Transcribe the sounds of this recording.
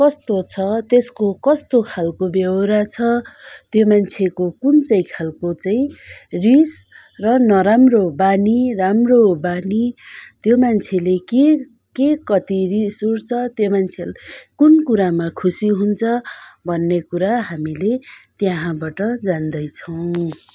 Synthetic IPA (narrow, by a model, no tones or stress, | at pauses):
kʌst̪ot͡sʰʌt̪eskokʌst̪okʰalkobjʌwɾat͡sʰʌt̪jomant͡sʰekokunt͡sʌĩkʰalkot͡saĩris | rʌnʌɾamrobaniramrobanit̪jomant͡sʰeleke | kekʌt̪irisuɾt͡sʰʌt̪jomant͡sʰelkunkuɾamakʰusiɦunt͡sʰʌbʱʌnːekuɾaɦamilet̪jaɦãbaʈʌd͡zand̪ʌjt͡sʰʌw̃